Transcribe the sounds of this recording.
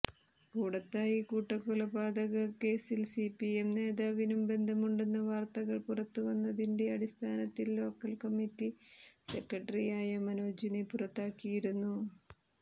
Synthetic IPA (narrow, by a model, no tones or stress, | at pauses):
kuːɽɐt̪ːaːjikuːʈːɐkːulɐbaːd̪ɐɣɐke̞ːsilsipiemne̞ːðaːʋinumbe̞nd̪ʱɐmuɳɖe̞nːɐʋaːrt̪ɐɣɐɭpurɐt̪ːuʋɐnːɐðinde̞ɐɽist̪ʰaːnɐt̪ːilːo̞ːkːɐlkɐmːitːise̞kːɐʈːɐrijaːjɐmɐnoːd͡ʑinepurɐt̪ːaːkːijiɾunːu